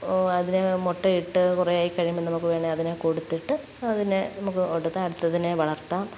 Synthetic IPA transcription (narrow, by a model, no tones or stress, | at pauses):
ɐðinemoʈːɐiʈːɨkureaːjikːɐɻijumːenːnɐmukːɨʋeːɳɖiɐðinekoɽut̪ːiʈːɨ | ɐðinenɐmukːɨoɽut̪ːaɐɽut̪ːɐðineʋɐɭɐrt̪ːaːm